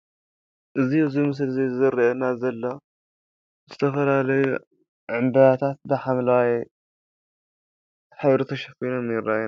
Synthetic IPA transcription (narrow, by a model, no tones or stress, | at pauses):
ʔɨzijuzimɨs̬ɨlzezɨzɨɾɐʔɐnazɐlːo | zɨt̪ʰɐfɐlalɐju | ʕɨmbɐjat̪ʰat̪̚bɨħamlawaj | ħɨβɾɨt̪ʰɐʃɐfkʰojnomjɪɾːajn